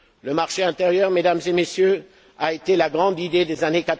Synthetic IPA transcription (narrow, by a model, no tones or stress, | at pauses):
ləmaʁʃeɛ̃t̪eʁjœʁmed̪amzemesjø | aet̪elaɡʁɑ̃d̪id̪ed̪ezanekat̪